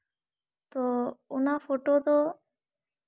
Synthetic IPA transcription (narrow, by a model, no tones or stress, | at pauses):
t̪ounafoʈot̪ɔ